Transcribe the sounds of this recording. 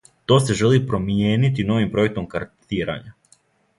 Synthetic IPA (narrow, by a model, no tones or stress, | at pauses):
t̪o̞ːse̞ʒe̞lipɾo̞mijeːnit̪̬ino̞ʋimpɾo̞jek̚t̪o̞mkaɾt̪iːɾa̰ɲa